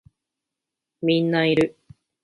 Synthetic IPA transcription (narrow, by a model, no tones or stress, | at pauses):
mʲĩnːaiɾɯ̟